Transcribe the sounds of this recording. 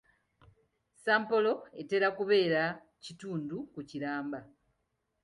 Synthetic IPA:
saːmpo̞loe̞te̞ɾakuβe̞ːɾa | cituːndukuciɾaːmba

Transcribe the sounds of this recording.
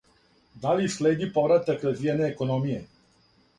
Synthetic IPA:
d̪alisleːd̪ipovɾat̪akɾazʋieneːkonomije

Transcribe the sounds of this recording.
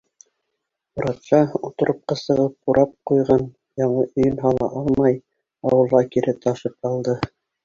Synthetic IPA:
uɾɑt̪ʃɑut̪ŏɾʔŏp̚qɑsɤ̆ʁɤp̚quɾʔɑp̚qujʁɑn | jɑɴɤʔɵ̆jɘnɦɑlˠɑ̰ʔɑlˠmɑj | ɑwɤ̆lˠʁɑkiɾʔɘt̪ʰɑʃɤp̚ɑlˠd̪ɤ

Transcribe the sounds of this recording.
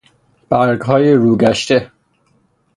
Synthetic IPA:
b̥æɾɡɦɒːjeɾuːɡæʃt̪e

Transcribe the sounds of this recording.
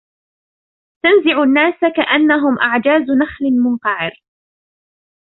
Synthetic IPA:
t̪anzɪʕʊnːaːsakaʔanːaɦʊmʔaʕd͡ʒaːznaxlɪmʊnqɑʕɪɾ

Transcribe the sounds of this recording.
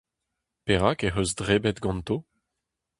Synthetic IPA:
peʁakeɦøzdʁebɛt̪ɡɑ̃nt̪o

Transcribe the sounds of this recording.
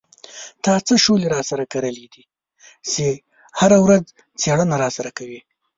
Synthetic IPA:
t̪ɑt͡səʃoleɾɑsaɾakaɾəlid̪i | se | haɾawɾaz | t͡seɽənaɾɑsaɾakawi

